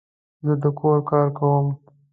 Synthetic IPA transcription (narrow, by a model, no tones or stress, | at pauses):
zəd̪əkoɾkɑːɾkawəm